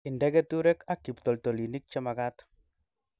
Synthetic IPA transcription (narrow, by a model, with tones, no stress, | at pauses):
i˨ndɛ˦ɡe˦t̪u˦ɾɛ˦ka˦kːi˨pt̪ɔ˨lto˨li˨ni˦k̚t͡ʃɛ˦ma˨ɡat̪